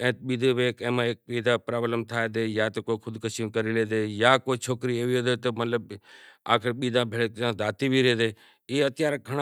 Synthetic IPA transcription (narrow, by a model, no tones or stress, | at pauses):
ɛ̃ːt̪ɓiːd̪ʱeːʋeːkẽːmãːeːk̚ɓiːd̪ãːpɾaːbləmt̪ʰaːed̪eːjaːt̪əkoːkʰʊd̪kəsinkəɾiːleːd̪eːjaːkoːt͡ʃʰoːkɾiːeːʋiːoːd̪eːt̪əmələba̰ːkʰɾeɓiːd̪ãːbʱeːɭeːkãːd̪aːt̪iːbʱiːɾeːd̪eː | iːət̪ɪjaːɾɡʱəɽ̃